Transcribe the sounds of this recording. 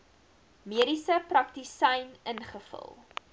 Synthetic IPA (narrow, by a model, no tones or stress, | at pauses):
miəɾisəprɐk̚tisɐjnənχəfə̰lˠ